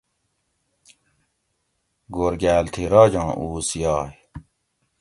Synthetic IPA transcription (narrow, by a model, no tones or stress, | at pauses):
ɡoɾɡæːlt̪ʰiɾɑːd͡ʑɑ̃ːʔuːsjɑːj